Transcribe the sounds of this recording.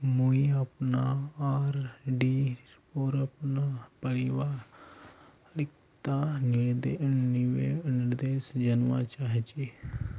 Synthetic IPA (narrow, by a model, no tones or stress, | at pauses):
muiɐpnaaːɾɖiː | oːɾɐpnapəɾɪʋaː | ɾɪk | t̪anɪɾd̪enɪʋenɪɾd̪eːsd͡ʒənʋat͡ʃaɦet͡ʃi